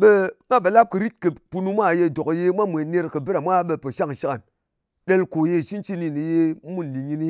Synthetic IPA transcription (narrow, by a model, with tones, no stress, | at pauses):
ɓe˦mʷ˦a˦ɓe˨˦la˦p̚kɨ˨ɾi˦t̚kɨ˨pu˧nu˧mʷa˦˨je˧˨do˨kje˧mʷa˦mʷe˨ne˧ɾkɨ˨bɨ˦ɾa˨mʷa˦ɓe˧po˨ʃa˦˨ŋʃi˦ka˨n | ɗe˦lko˨je˧˨ʃi˦nt͡ʃi˦ni˨ni˨je˧˦mu˦˨n˨li˨ɲi˧ni˦